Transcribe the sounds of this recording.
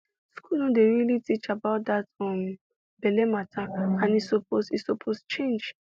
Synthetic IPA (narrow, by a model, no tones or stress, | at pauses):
skunõdeɾilitit͡ʃabaʊt̚d̪atɔm | belematʰakãnisoposisopʰost͡ʃẽnd͡ʒ